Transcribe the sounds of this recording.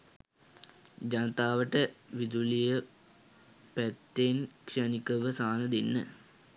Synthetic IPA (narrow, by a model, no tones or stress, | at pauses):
d͡ʑanət̪aːʋəʈəʋid̪ulijə | pæt̪ːenkʂanikəʋəsaːnəd̪inːə̰